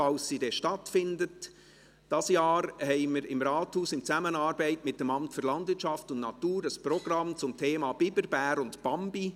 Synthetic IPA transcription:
ɑlsːidɛʃtɑtfɪndət | d̥ɑsjɑːɾhɛɪməɾɪmɾɑːthuːsɪmt͡sæmənɑːɾbɛɪtmɪt̚d̥ɛmɑmtføɾlɑndvɪɾtt͡ʃʃɑftʊndnɑtuːɾəspɾɔɡ̥ɾɑmt͡sʊmtʰeːmɑːb̥ɪbəɾb̥æːɾʊndpɑmbi

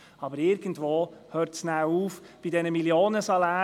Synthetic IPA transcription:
ɑbəɾɪɾɡ̥ən̩dʋoːhøːɾtsnaːuːf | b̥idɛnəmiljoːnəsɑlaː

